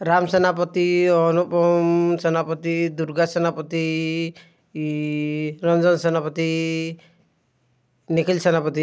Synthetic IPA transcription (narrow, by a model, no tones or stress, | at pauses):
ɾamsenap̬ɔt̪iɔnupɔmsenapɔt̪id̪uɾɡasenapɔt̪i | ɾɔnd͡ʒɔnsenapɔt̪i | nikʰilsenapɔt̪i